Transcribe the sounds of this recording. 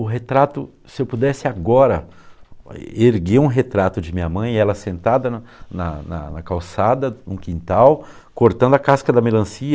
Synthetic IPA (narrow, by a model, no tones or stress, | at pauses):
ʊɦet̪ɾat̪ʊ | sɪewpud̪ɛsɪaɡɔɾɐ̰ | eɾɡeũɦet̪ɾat̪ʊd͡ʒɪmĩɲɐmɐ̃j̃ɛlɐsẽnt̪ad̪ɐnnɐ̰nɐ̰nɐkawsad̪ɐnũkĩnt̪aw | koɾt̪ɐ̃nd̪ʊakaskɐd̪ɐmelɐ̃siɐ